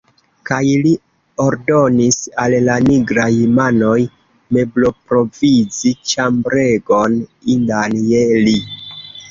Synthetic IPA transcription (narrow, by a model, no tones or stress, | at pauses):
kajli | o̞ɾdo̞nisalːaniɡɾajmano̞j | me̞blo̞pɾo̞vizit͡ʃambɾeɡo̞nindaneli